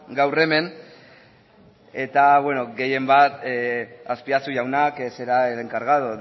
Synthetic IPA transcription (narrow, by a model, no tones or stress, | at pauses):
ɡawre̞me̞ŋ | e̞t̪aβweno̞ɡe̞je̞mbat̪ | aspiasuʝawnakse̞ɾaeleŋkaɾɣaðo